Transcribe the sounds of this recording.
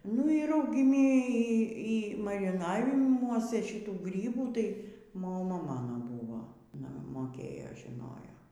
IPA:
nʊ iː rɐʊɡʲɪˈmʲɪ ˈiː ˈiː mɐrʲɪˈnɑːʋʲɪmuɔsʲɛ ʃʲɪˈtuː ˈɡrʲiːbuː ˈtɐɪ moːˈmɐ ˈmɑːnoː ˈbuːʋoː ɐˈnɐ moːˈkʲeːjoː ʒʲɪˈnoːjoː

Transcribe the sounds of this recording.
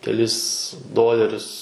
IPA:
kʲɛˈlʲɪs ˈdoːlʲɛrʲʊs

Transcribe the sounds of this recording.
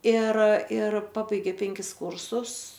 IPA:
ˈɪr ˈɪr ˈpɑːbɐɪɡʲeː ˈpʲɛŋʲkʲɪs ˈkuːrsʊs

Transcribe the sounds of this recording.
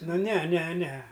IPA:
ˈnʊ ˈnʲɛ ˈnʲɛ ˈnʲɛ

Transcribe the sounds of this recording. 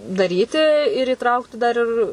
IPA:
dɐˈrʲiːtʲɪ ɪr iːˈtrɐʊktʲɪ dɐr ˈɪr

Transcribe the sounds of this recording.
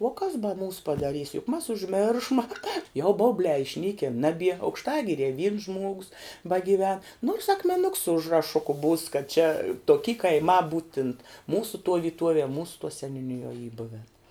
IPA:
uɔ kɐs bɐ ˈmuːs pɐdɐˈrʲiːs jʊk mɐs ʊʒʲˈmʲɪrʃmɐ jɛʊ ˈbɐʊbʲlʲæː ɪʃʲˈnʲiːkʲɪn ˈnɑːbʲiɛ ɐʊkʃˈtɑːɡʲɪrʲiɛ ʋʲiːns ˈʒmuɔɡʊs bɐɡʲɪˈʋʲɛn noːrs ɐkmʲɛˈnʊks sʊ ʊʒrɐˈʃʊkʊ buːs kɐt t͡ʃʲɛ toːˈkʲiː kɐɪˈmɑː ˈbuːtʲɪnt ˈmuːsʊ tuɔ ʋʲiːˈtuɔʋʲiɛ ˈmuːsʊ sʲɛnʲuːˈnʲɪjuɔ iː ˈbʊʋʲɛn

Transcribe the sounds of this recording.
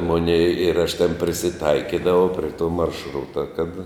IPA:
ˈmoːnʲɛɪ ɪr ɐʃ tʲɛn pʲrʲɪsʲɪˈtɐɪkʲɪdɐʋɐʊ pʲrʲɛ ˈtoː mɐrʃˈrʊtɐ kɐt

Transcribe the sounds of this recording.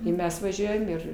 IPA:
ɪ ˈmʲɛs ʋɐˈʒʲuɔjɛm ˈɪr

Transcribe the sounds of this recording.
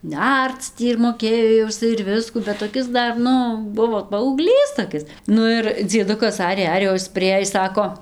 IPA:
ˈnʲɛrt͡s tʲiː ɪr moːˈkʲeːjoː jɛʊ ɪˈsɐɪ ɪr ˈʋʲɪskuː bʲɛt toːˈkʲɪs ˈdɐr ˈnʊ ˈbʊʋoː pɐɐʊɡˈlʲiːs toːˈkʲɪs ˈnʊ ɪr d͡zʲiɛˈdʊkɐs ˈɑːrʲeː ˈɑːrʲeː oː ˈɪs pʲrʲɪˈeːjɪs ˈsɑːkoː

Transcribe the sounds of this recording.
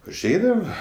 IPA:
ʊʒʲˈɛɪdɐʋɐ

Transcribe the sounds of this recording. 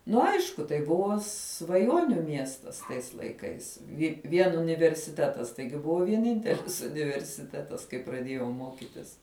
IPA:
ˈnʊ ˈɐɪʃkʊ tɐɪ ˈbʊʋoː sʋɐˈjoːnʲʊ ˈmʲiɛstɐs tɐɪs lˠɐɪˈkɐɪs ˈɪ ˈʋʲiɛn ʊnʲɪʋʲɛrʲsʲɪˈtʲæːtɐs ˈtɐɪɡʲɪ ˈbʊʋoː ʋʲiɛˈnʲɪnʲtʲɛlʲɪs ʊnʲɪʋʲɛrʲsʲɪˈtʲæːtɐs kɐɪ prɐˈdʲiɛjɛʊ ˈmoːkʲɪtʲɪs

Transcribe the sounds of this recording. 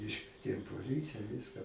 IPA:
ˈɪʃkʋʲiɛtʲeːm poːˈlʲiːt͡sʲɪjɛ ˈʋʲɪskɐ

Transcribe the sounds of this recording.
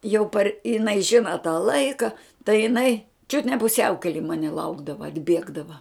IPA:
jɛʊ pɐr ɪˈnɐɪ ˈʒʲɪnɐ tɑː ˈlˠɐɪkɐ tɐɪ jɪˈnɐɪ t͡ʃʲʊt nʲɛ pʊˈsʲɛʊkʲɛlʲɪ ˈmɑːnʲɪ ˈlˠɐʊɡdɐʋɐ ɐdʲˈbʲiɛɡdɐʋɐ

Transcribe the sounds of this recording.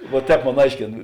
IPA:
ʋɐ ˈtʲɛːp ˈmoːn ˈɐɪʃʲkʲeːn

